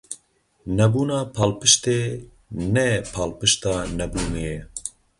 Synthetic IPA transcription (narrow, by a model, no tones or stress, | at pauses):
nɛbuːnɑːpʰaːlpɨʃt̪eː | nɛpʰaːlpɨʃt̪ɑːnɛbuːneːjɛ